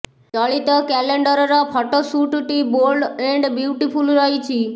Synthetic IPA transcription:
t͡ʃɔɭit̪ɔkɛleɳɖəɾɔɾɔpʰɔʈosuʈʈiboɾɖeɳɖbjuwʈipʰulɾəɦit͡ʃʰi

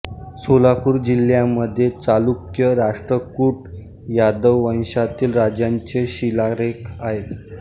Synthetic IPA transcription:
solapuːɾd͡ʑil̤jaməd̪ʱːjet͡salukjəɾaʂʈɾəkuːʈ | jad̪əwːə̃ñɕat̪iːlɾad͡ʑjaɲt͡ɕeɕilaɾekaɦe

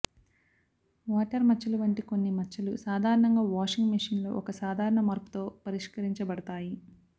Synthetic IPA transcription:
ʋaːʈɐɾmɐt͡ʃːɐlɐʋɐɳʈiko̞nːimɐt͡ʃːɐlusaːd̪ʱaːɾɐɳɐŋɡaːʋaːʂiŋɡmiʂinlo̞̰ːʔɔkɐsaːd̪ʱaːɾɐɳɐmɐɾpu̥t̪o̞ːpɐɾiʂkɐɾiɲt͡ʃɐbɐɽɐt̪aːji

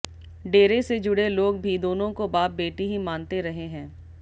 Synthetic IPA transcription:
ɖeːɾesed͡ʒʊɽeloːɡ̚bʱid̪oːnõkobaːp̚beːʈiɦimaːnt̪eɾɐɦeɦɛ̃ː

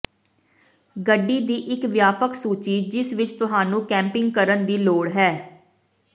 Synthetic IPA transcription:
ɡəɖːiːd̪iːʔɪkʋjaːpəksuːt͡ʃiːd͡ʒɪsʋɪt͡ʃt̪ʊɦaːnũːkɛ̃ːmpɪŋɡkəɾənd̪iːloːɽɦɛː

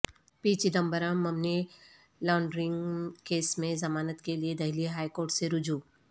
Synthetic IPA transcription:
piːt͡ʃid̪ɐ̃mbəɾãmːɐmne | laːʊɳɖɾɪ̃ŋɡkeːsmẽzɐmaːnət̪kelied̪ɐɦliɦaːikoːɾʈseɾʊd͡ʒuː

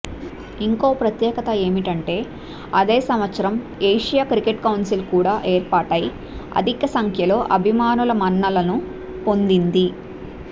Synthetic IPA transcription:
iŋko̞ːpɾɐt̪jɛːkɐt̪ɐe̞ːmiʈɐɳʈe̞ː | ɐd̪e̞ːsɐmʋɐt̪sɐɾɐm | eːʂijaːkɾikeʈkɐwnsilkuːɽaːʔeːɾpaːʈɐji | ɐ̰d̪ʱikɐsɐŋkʰjɐlo̞ːʔɐbʱimaːnulɐmɐnːɐlɐnu | po̞nd̪ind̪i

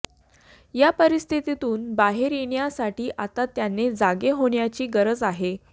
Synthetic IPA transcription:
japəɾist̪ʰit̪it̪uːnbaɦeɾjeɳjasaʈiːʔat̪at̪janːed͡zaɡeɦoɳjat͡ɕiːɡəɾəd͡zaɦe

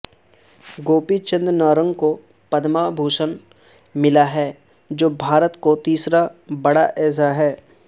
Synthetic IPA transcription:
ɡoːpit͡ʃɪ̃nd̪ɾnɔːɾə̃ŋɡko | pɐd̪mabʱuːʃən | mɪlaɦɛː | d͡ʒoːbʱaːɾət̪kot̪iːsɾabɐɽaʔɛːs̬aɦɛː

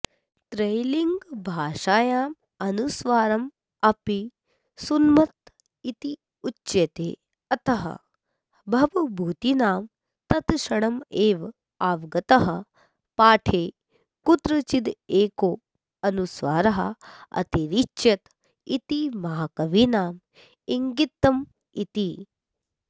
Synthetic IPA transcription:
t̪ɾejliŋɡbʱaːʃaːjaːm | ɐnusʋaːɾɐm | ɐpi | sunmɐt̪ | it̪i | ut͡ʃt͡ʃjɐt̪eː | ɐt̪ɐɦɐ̰ | bʱɐʋɐbʱuːt̪inaːm | t̪ɐt̪ʃɐɽɐmeːʋ | aːʋɡɐt̪ɐɦɐ | paːʈʰeː | kut̪ɾɐt͡ʃid̪eːkoː | ɐnusʋaːɾɐɦɐ̰ɐ̰t̪iɾit͡ʃjɐt̪ | it̪imɐɦakɐʋinaːm | iŋɡit̪ːɐm | it̪i

